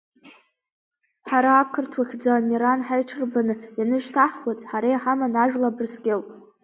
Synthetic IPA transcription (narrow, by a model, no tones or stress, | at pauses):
ħaɾaːkʰɨrtʰwaχʲd͡zamiɾanħajʈ͡ʂʰɨrbanɨjanɨʒtʰaħkʷazʼħaɾajħamanaʒᶣlabɨrsɡʲelpʼ